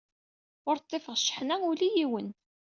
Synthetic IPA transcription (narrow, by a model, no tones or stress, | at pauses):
ʊɾt̪ˤːefəʁʃːə̥ħnæulijiwən